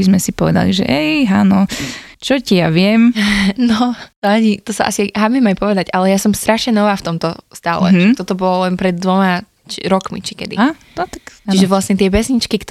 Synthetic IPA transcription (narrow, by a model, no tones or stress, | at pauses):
izmɛsipɔʋɛ̰d̪a̰liʒɛ̰ʔɛjɦanɔt͡ʃɔcijaʋɪɛmnɔt̪ɔaɲit̪ɔsa̰ʔa̰siaɦamɛmajpɔʋɛd̪aɟʔalɛjasɔmst̪ɾʔaʃɲɛnɔʋaːft̪ɔmt̪ɔst̪a̰ːlɛ̰t̪ɔt̪ɔbɔlɔlɛnpɾɛd̪ːʋɔma | t͡ʃiɾɔkmḭt͡ʃi̥kɛ̰d̪ḭɦa | t̪ɔt̪akiʒɛʋlasɲɛt̪ɪɛpɛsɲit͡ʃkikt̪